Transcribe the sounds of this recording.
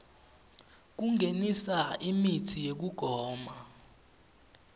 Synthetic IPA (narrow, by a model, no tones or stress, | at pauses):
k̬uŋʱenisaimitʰijek̬uɡ̥ʱɔːma